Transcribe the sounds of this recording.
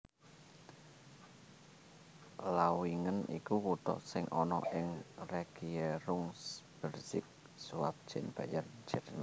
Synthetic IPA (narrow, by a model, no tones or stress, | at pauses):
lawiŋənḭkukut̪ɔ̰ʔsɪŋʔɔnɔ̰ʔɪŋreɡ̥ieɾʊŋsb̥ə̤rsɪk̚ | suwa̰p̚d̥ʒ̥ɪnb̥ajard͡ʒər